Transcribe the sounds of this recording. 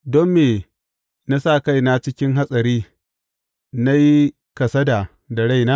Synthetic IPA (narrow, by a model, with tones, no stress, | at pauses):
dɔ˦mːeː˨ | na˦sa˦˨ka˦˨jna˦t͡ʃɪ˦kʲɪ˦ŋɦa˦sʼɐ˨ɾiː˦ | na˦ji˦ | kɐ˨sɐ˦da˨ | da˨ɽa˦jnaː˦